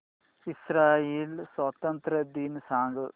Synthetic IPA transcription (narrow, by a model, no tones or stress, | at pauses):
isɾaːjeːlsʋɐt̪ɐnt̪ɾɐd̪iːnsaːŋɡɐ